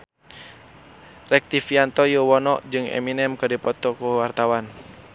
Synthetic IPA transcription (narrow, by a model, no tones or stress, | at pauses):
rɛk̚t̪ifiant̪ɔjuwɔnɔʔd͡ʒɨŋɛ̰minɛmkədipɔt̪ɔkuwart̪awan